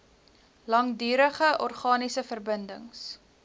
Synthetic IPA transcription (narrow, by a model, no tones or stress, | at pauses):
lɐŋdyːɾəχəʔɔrχɑːnisəfərbəndəŋs